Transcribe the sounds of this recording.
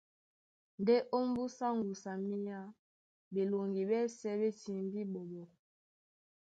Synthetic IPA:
n˨de˦ʔo˦m˦bu˦sa˦ŋ˨ɡu˨sa˨mi˦ja˦ | be˨lo˨ŋɡi˨bɛ˦sɛ˦be˦ti˨m˦bi˦ɓo˨ɓo˨

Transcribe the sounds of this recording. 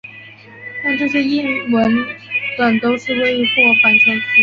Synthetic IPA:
na˥˧ʈ͡ʂɤ˥˧ɕjɛ˥˧i˥˩nwə˧˥nt̪wa˨˩nt̪o˥ʊʂɻ̩˥˧we˥ɪ˧˥pwɔ˥˩fa˨˥nt͡ɕʰjɛ˧˥nt͡ɕʰi˧˥

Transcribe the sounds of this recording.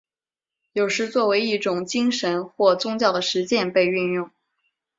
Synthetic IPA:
jo˨˩ʊʂɻ̩˧˥t͡swɔ˥˩we˧˥ɪi˥˩ʈ͡ʂʊ˨˩ŋt͡ɕi˥ŋʂə˧˥nxwɔ˥˩t͡sʊ˥ŋt͡ɕjɑ˥˩ʊd̪ə˩ʂɻ̩˧˥t͡ɕjɛ˥˧npe˥˧ɪy˥˧njʊ˥˩ŋ

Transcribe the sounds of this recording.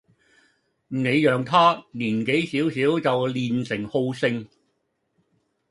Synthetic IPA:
m˨˩ne˨˧jjœː˨ŋt̪ʰaː˥niː˨˩nke˨˥jsiː˨˥wsiː˨˥wt͡sɐ˨wliː˨nsɪ˨˩ŋho˧wsɪ˧ŋ

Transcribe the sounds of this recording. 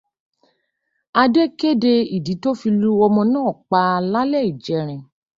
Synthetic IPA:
a˧de˦ke˦de˧i˨di˨˦to˦fi˧lu˦ɔ˧mɔ̃˧nãː˦˨k͡pa˧la˦lɛ˦˨i˦˨d͡ʒɛ˨˦ɾ̃ɛ̃˨

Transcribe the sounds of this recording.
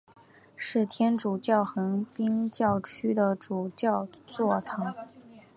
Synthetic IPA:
ʂɻ̩˥˩t̪ʰjɛ˥nʈ͡ʂu˨˩t͡ɕjɑ˥˩ʊxɤ˧˥ŋpi˥ŋt͡ɕjɑ˥˩ʊt͡ɕʰy˥d̪ə˨ʈ͡ʂu˨˩t͡ɕjɑ˥˧ʊt͡swɔ˥˩t̪ʰɑ˧˥˦ŋ

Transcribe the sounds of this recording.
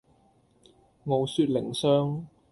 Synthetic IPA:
mo˨˧wsyː˧t̚lɪ˨˩ŋsœː˥ŋ

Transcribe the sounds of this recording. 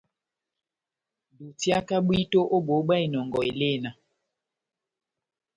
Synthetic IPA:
du˨tja˦ka˦ɓwi˦to˦ʔo˦ɓo˨˦ɓa˦˨i˨nɔ˨ŋɡɔ˨e˨le˦˨na˨

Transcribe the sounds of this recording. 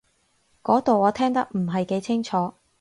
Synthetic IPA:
kɔː˨˥t̪o˨wɔː˨˧t̪ʰɛː˥ŋt̪ɐ˥k̚m̩˨˩ɦɐ˨jke˨˧˥jt͡sʰɪ˥ŋt͡ʃʰɔː˨˥

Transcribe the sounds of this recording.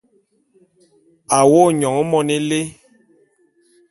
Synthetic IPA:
a˨wo˦˨ɲɔ˨ŋ˦mɔ˦˨nɛ˦le˦

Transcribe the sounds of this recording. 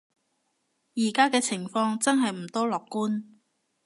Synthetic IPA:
jiː˨˩kaː˥kɛː˧t͡sʰɪ˨˩ŋfɔː˧ŋt͡sɐ˥nɦɐ˨jm̩˨˩t̪ɔː˥lɔː˨˩kːuː˥n

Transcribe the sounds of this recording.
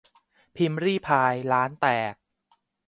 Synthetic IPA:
pʰi˧mɾiː˥˩pʰaː˧jlaː˦˥nt̪ɛː˨˩k̚

